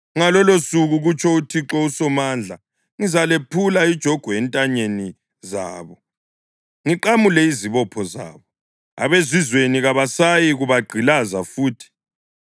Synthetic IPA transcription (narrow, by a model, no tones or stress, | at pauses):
ŋalɔlosuɣuɣut͡ʃʰɔutʰiǁɔusɔmaːnd͡ɮʱa | ŋizalepʰulaid̥ʒ̥ʱɔɡ̥ʱɔɛntʼaɲeni | za̰ːβɔ | ŋiǃamulɛiziβɔpʰɔza̰ːβɔ | a̰βezizweniɣaβasajiɣuβaɡ͡ǃʱilazafuːtʰi̥